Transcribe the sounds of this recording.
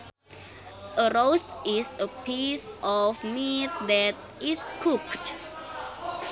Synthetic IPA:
ʔəɹosisəpʰisʔɔfmit̪̚dɛt̚iskʰukt

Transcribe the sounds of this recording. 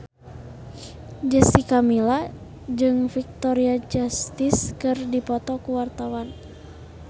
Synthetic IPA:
d͡ʒɛsikamila | d͡ʒɨŋfik̚t̪ɔɾiad͡ʒast̪iskɨrdipɔt̪ɔkuwart̪awan

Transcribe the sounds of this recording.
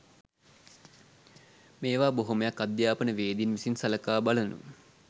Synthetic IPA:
meːʋaːboɦuməjakːad̪jaːpənəʋeːd̪inʋisinsɐləkaːbalənṵ

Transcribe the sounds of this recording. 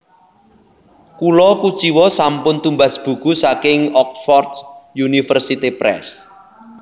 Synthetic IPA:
kulɔkut͡ʃiwɔsampʊnt̪umbasb̥ṳɡ̥usakɪŋɔk̚t̪fɔrd̪junifərsit̪ipɾɛ̰s

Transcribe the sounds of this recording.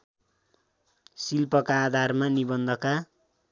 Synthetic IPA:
silpʌkaːd̪ʱarmanibʌnd̪ʱʌka

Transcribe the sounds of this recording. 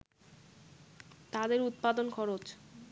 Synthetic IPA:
t̪ad̪eɾut̪̚pad̪onkʰɔɾot͡ɕ

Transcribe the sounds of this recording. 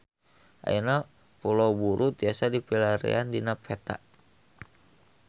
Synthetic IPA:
ʔa̰jina | pulaubuɾʔut̪̚iasadipilaɾḭandinapʰɛt̪a̰ʔ

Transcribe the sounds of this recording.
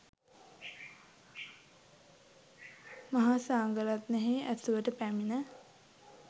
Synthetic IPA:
maɦasaːŋɡəɾat̪nɛɦiæsuʋəʈəpæminə

